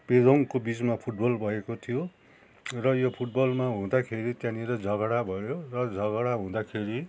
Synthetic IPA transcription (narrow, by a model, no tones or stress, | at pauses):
ped̪ʱoŋkobit͡smapʰuʈ̚bʌlbʱʌekot̪ʰijo | rʌjopʰuʈ̚bʌlmaɦũd̪akʰeɾit̪jãniɾʌd͡zʌɡɽabʱʌjorʌd͡zʌɣʌɽaɦũd̪akʰeɾi